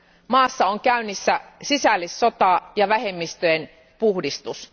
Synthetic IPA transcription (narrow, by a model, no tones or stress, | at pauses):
mɑːsːɑoŋkæynːisːæsisælːisːo̞t̪ɑˑjɑʋæhe̞mːist̪øjen | puhdist̪us